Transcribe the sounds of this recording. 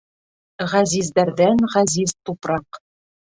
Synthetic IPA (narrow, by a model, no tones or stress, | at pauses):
ʁæzizd̪æɾðænʁæziz̥t̪upɾɑq